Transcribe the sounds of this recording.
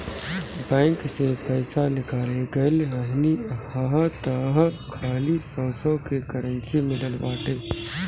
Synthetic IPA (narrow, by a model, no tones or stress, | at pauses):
bɛ̃ːŋksepɛːsalɪkaːleɡɐləɦniaɦat̪ɐɦkʰaːlisɔːsɔkekɐɾə̃nt͡ʃimɪləlbaːt̪eː